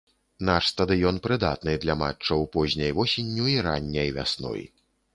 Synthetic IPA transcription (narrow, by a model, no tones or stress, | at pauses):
naʂst̪ɐd̪ɨjɔnpɾɨd̪at̪nɨd̪lʲɐma̰t͡ʂːɐwpɔzʲnʲɐjvɔsʲenʲːuiɾanʲːɐjvʲa̰snɔ̰j